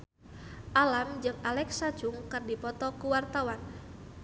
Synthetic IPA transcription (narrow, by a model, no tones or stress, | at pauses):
ʔalamd͡ʒɨŋalɛksḁd͡ʒʊŋkɨrdipɔt̪ɔkuwart̪awan